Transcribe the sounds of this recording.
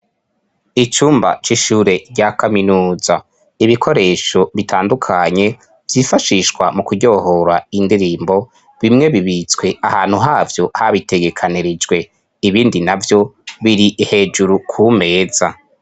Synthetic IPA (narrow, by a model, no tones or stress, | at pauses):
it͡ʃuːmba̰t͡ʃiʃuːɾe̞ɟakʰaminuːz̥a | iβikʰo̞ɾe̞ːʃo̞βitʰaːndukʰaɲe̞ | vjiːfaʃiʃkwamukuɟo̞ho̞ɾaindiɾiːmbo̞ | βimŋe̞βiβit͡swe̞ʔahaːn̥huɦaːvjo̞haβitʰe̞ɡe̞kʰaniɾid͡ʒɡwe̞ | iβiːndinavjo̞βiɾiʔihe̞ːd͡ʒuɾukʰuːme̞ːz̥a